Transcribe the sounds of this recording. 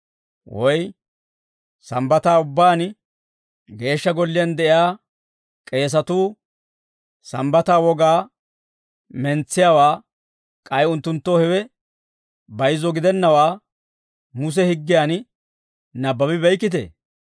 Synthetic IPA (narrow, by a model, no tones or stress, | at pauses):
wʔɔj | sɐmbɐt̪aːʊbːaːn | ɡe̞ːʃːɐɡɔlːɪjɐnd̪ɛʔɪjaː | kʼe̞ːs̬ɐt̪uː | sɐmbɐt̪aːwɔɡaː | mɛnt͡sːɪjawaː | kʼɐjʊnt̪ːʊnt̪ːoːhɛwɛ | bɐjzɔɡɪd̪ɛnːɐwaː | mʊs̬ɛhɪɡːɪjaːn | nɐbːɐbɪbɛjkːɪt̪̬ḛː